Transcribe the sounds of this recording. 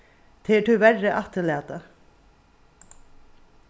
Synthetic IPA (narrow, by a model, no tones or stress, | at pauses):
t̪ʰeːʈʰʉːʋæɾəʔɑt̪əɭeːd̪ə